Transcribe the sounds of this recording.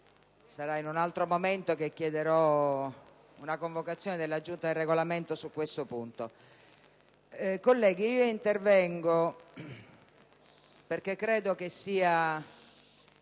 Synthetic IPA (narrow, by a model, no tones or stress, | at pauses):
saɾainunalt̪ɾomoment̪okekːjɛd̪eɾɔ | unakoɱvokat̪sːjɔːned̪elːad͡ʒːunt̪ad̪erːeɡolament̪osukːwest̪opunt̪o | kolːɛːɡ̟iiːoint̪ervɛŋɡo | perk̟ekːɾɛːd̪okesːiːa